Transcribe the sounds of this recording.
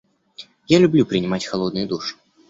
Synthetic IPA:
jalʲublʲupɾʲɨnʲɪmat͡sʲxalˠɔd̪̚nʊjud̪uʂɨ̥

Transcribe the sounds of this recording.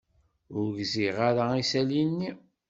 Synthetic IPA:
ʊɾɡziʁaɾaisælinːi

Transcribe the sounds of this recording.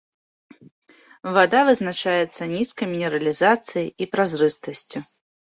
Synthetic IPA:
vad̪avɨznat͡ʂajɛt̪sːɐnʲiskɐjmʲinʲɛɾɐlʲizat̪sɨjɐjipɾazɾɨst̪ɐsʲt͡sʲu

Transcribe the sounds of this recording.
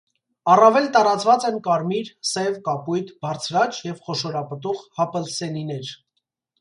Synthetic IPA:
ɑrɑvɛlt̪ɑɾɑt͡svɑt͡sɛnkɑɾmiɾsɛvkɑpujt̪ʰbɑɾt͡sʰɾɑt͡ʃjɛvχɔʃɔɾɑpət̪ɔʁhɑpəlsɛninɛɾ

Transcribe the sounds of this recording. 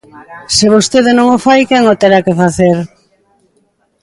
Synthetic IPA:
seβost̪eðenõŋofajkɛŋot̪eɾakefaθeɾ

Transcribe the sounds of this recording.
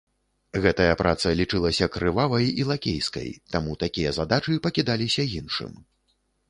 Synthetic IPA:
ɣɛt̪ɐjɐpɾʔat̪sɐlʲit͡ʂɨlˠɐsʲɐkɾɨvavɐjilˠakʲḛjskɐ̰jt̪amut̪akʲijɐzad̪at͡ʂɨpɐkʲid̪alʲisʲɐjinʂɨ̰m

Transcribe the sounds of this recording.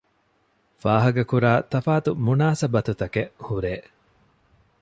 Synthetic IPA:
faːɦɐɡɐkuɾaːt̪ɐfaːt̪umunaːsɐbɐt̪ut̪ɐkeʔhuɾeː

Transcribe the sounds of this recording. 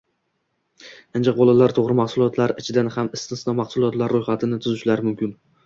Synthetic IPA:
and͡ʒaq̚bolˠalaɾt̪ʰoʁɾɪmaχsʊlˠɒt̪laɾɪt͡ʃʰɪd̪anhamɪst̪ɪnsnɒmaχsʊlˠɒt̪laɾːʊjχat̪ʰɪnɪt̪ʰʊzɪʃlaɾɪmʊmkʲɪn

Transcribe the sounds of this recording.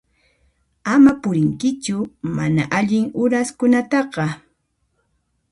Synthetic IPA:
amapʊɾɪŋkɪt͡ʃʊmanaʔaʎɪŋʊɾaskʊnat̪ɑqɑ

